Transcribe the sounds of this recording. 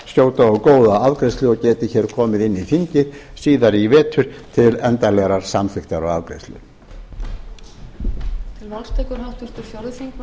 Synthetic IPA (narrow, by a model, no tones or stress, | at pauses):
sjoːwt̪aɔkoːwðaaðkɾejslʏɔɣcɛːt̪ɪçɛːɾ̥kʰɔːmɪðɪnːiθiɲcɪsiːðaɾivɛːt̪ʰʏɾ̥t̪ʰɪlɛnt̪alɛɣɾaɾ̥samθɪxt̪aɾɔɣa̰ðkɾḛst̪lʏ̰ | t̪ʰɪlvalst̪ʰɛkʏɾhawht̪ʏst̪ʏɾ̥fjɔɾðfiŋkn